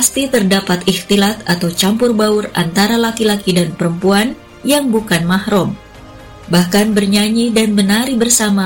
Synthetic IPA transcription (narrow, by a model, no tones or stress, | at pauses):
past̪it̪ərdapat̪iht̪ilat̪̚at̪awt͡ʃampʊrbaʊra̰nt̪aɾalakilakidanpəɾəmpuan | jaŋbukanmahɾɔm | bahkanbərɲaɲidanbənaɾibərsama